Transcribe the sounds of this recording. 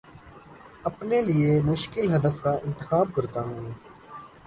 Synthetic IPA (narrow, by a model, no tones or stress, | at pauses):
ɐpnelɪemʊʃkɪlɦɐd̪əfkaʔɪ̃nt̪ɪxaːb̚kɐɾt̪aːɦũː